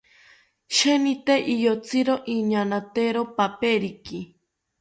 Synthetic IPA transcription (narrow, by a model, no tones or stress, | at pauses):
ʃenit̪eʔijot͡siɾoʔiɲanat̪eɾopapeɾiki